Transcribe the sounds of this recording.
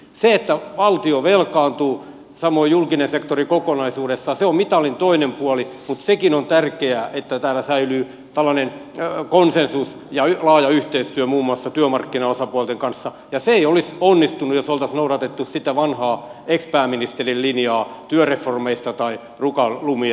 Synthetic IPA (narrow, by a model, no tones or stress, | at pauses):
seet̪ːæʋɑlt̪ioʋelkɑːnt̪uː | sɑmoijulkinensekt̪orikokonɑisuːɾesːɑseommit̪ɑlint̪oinempuɑlimut̪sekinont̪ærkeæːʔet̪ːæt̪æːlːæsæylyː | t̪ælːɑnenkonsensus | jɑlɑːjɑyht̪eist̪yømuːmːuɑsːɑt̪yømɑrkːinɑosɑpuɑlt̪eŋkɑnsːɑ | jɑseeiolisonːist̪unːujosolt̪ɑsnouɾɑt̪et̪ːussit̪æʋɑnhɑːekspæːmːinist̪erillinjɑːt̪yøreformeist̪ɑt̪ɑi | rukɑlumi